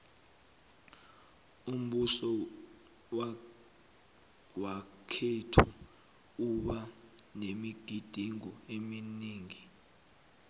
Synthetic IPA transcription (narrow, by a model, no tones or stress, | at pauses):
um̩ɓusɔ | wakʰetʰu | uɓanemiɡ̥ʱid̥ʱiŋɔeminiːŋi